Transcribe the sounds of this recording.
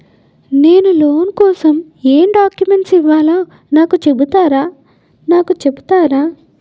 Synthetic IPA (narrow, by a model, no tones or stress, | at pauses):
ne̞ːnulo̞ːnkɔːsɐm | eːmɖaːkjume̞ɳʈsiʋːaːlaː | naːkut͡ʃe̞but̪aːɾaː | naːkut͡ʃe̞but̪aːɾaː